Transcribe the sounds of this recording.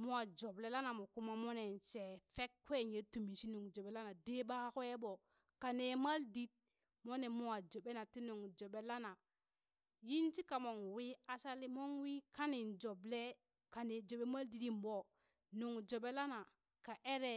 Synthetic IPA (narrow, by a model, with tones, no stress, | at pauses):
mu˦a˨d͡ʒo˨ble˦la˦na˨mo˨ku˦ma˦mo˦ne˨nt͡ʃe˨fe˦kːʷe˦˨nje˨˦tu˨mi˨ʃi˦nu˨ŋd͡ʒo˨ɓe˦la˦na˨de˦ba˦ko˦e˦ɓo˨ | ka˨ne˨ma˦ldi˦t̚ | mo˦ne˨mu˨wa˨d͡ʒo˨ɓe˦na˨ti˦nu˨ŋd͡ʒo˨ɓe˦la˦na˨ | ji˦nt͡ʃi˦ka˨mo˨ŋ˨wi˦a˦sa˦li˦mo˦ŋwi˦ka˦ni˨nd͡ʒo˨ble˦ | ka˨ne˨d͡ʒo˨ɓe˦ma˦ldi˨di˦mbo˨ | nu˨ŋd͡ʒo˨ɓe˦la˦na˨ | ka˨ʔe˦ɾe˦